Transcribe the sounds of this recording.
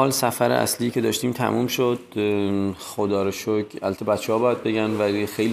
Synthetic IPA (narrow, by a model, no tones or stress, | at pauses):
ɒːlsæfæɾḛʔæ̰sliːcʰe̞d̪ɒːʃt̪iːmt̪ʰæ̰mʔuːmʃod̪ | xod̪ɒːɾeʃokʰæ̰læt̪ʰːɒbæt̪t͡ʃʰeɦɒːbɒːjæd̪̚be̞ɟænvælixejl